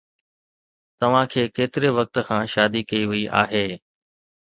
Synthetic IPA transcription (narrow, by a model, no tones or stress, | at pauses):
t̪ɐʋ̤ãkʰeːkeːt̪ɪɾeʋɐk̚t̪̆kʰãːʃaːd̪ikɐiʋɐiʔa̰ːɦeː